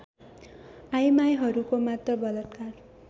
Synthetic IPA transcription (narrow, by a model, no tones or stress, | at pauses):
ajmajɦʌɾukomat̪rʌbʌlʌt̪kar